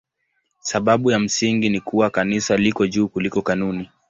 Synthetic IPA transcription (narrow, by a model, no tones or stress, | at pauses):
saɓaɓujam̩siŋɡinikuwakanisalikɔʄuːkulikɔkanuni